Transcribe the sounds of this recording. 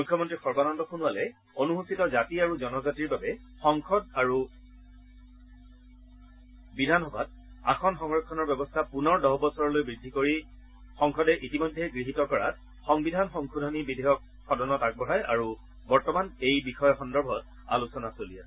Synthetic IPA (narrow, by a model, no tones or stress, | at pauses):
mujkʰjɔmɔntɹixɔɹbanɔndɔxunualɛ | onuɦusitɔzatiaɹuzɔnɔzatiɹbabɛ | xɔŋxʰɔdaɹu | bidʱanɔbat̚ | a̰xʰɔnxɔŋɹɔkʰːɔnɔɹbɛbɔstʰapunɔɹdɔɦbɔsɔɹɔlojbɹidʱːikoɹi | xɔŋxɔdɛʔitimɔjdʱːɛɡɹiɦitɔkɔɹa̰t̚ | xɔŋbidʱanxɔŋkʰudʱɔnibidʱeɦɔk̚ | xɔdɔnɔtak̚bɔɹajʔa̰ɹu | bɔɹtɔmanejbixɔjɔxɔndɔɹbʱɔt̚ | a̰lusɔnasolija